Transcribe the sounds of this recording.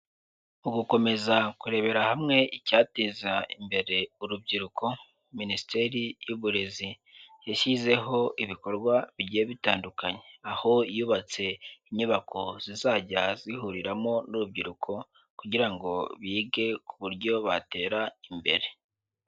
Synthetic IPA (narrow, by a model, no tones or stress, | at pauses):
uɡuko̞me̞zakuɾe̞βe̞ɾahamŋe̞icaːtizaḭmbe̞ɾe̞uɾub̚ɟiɾuko̞ | ministeɾijuβuɾe̞zi | jeʃize̞ɦo̞ʔiβiko̞ɾɡwaβiɟijeβitaːndukaɲe̞aho̞juːβat͡se̞iɲuβako̞zizaːɟazihuɾiɾamo̞nuɾub̚ɟiɾukʰo̞ | kuɟiɾaŋɡo̞βiːɡe̞kuβuɾɟo̞βate̞ːɾaimbe̞̰ɾe̞